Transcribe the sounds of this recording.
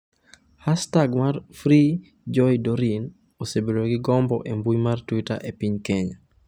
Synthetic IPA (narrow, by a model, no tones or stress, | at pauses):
hastaɡmarfɾi | d͡ʒɔjdoɾin | osebeɾoɡɪɡɔmbɔʔembujmartwita̰ʔepiɲkeɲa